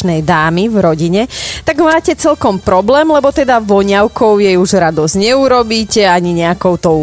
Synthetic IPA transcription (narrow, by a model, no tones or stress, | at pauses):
nɛjd̪aːmivɾɔɟiɲɛt̪aɡmaːcɛt͡sɛlkɔmpɾɔblɛːmlɛbɔt̪ɛd̪aʋɔɲaʊkɔʊjɛjuʒɾad̪ɔzɲɛuɾɔbiːcɛaɲiɲɛakɔʊt̪ɔ